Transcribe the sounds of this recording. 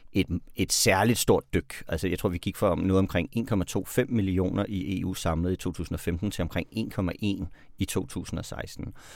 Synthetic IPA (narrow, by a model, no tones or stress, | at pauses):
ʔe̝d̥e̝d̥sæɐlid̥sd̥o̝ɐ̰d̥ːøɡ̥ælsəjɑɪt͡sʰʁo̝ɐ̰ʋikʰiɡ̥fɒmnɔ̽ːðˠɒ̽mkʰʁeŋ̰e̝̰ːnkʰɒ̽mæt͡sʰo̝̰ːfem̰ːilio̝̰ːnɐʔiʔe̝̰ːṵːsɑ̈mləð̩ˠit͡sʰo̝̰ːt͡sʰṵːsn̩ɒ̽femd̥n̩t͡sʰe̝lɒmkʰʁeŋ̰e̝̰ːnkʰɒ̽mæʔe̝̰n | it͡sʰo̝̰ːt͡sʰṵːsn̩ɒ̽sɑ̈ɪsd̥n̩